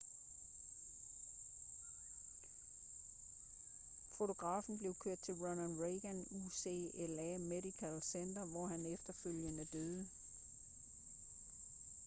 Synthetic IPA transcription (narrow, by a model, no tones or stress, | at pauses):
fo̝t͡sʰo̝ɡ̥ʁɑ̰̈ːfn̩b̥le̝ʊkʰøɐ̰d̥̚t͡sʰe̝lʁɔnænʁeɡ̥ænuse̝̰ːelæmedikʰælsend̥ɐʋɒɦænefd̥ɐføl̰jənəd̥øːðˠə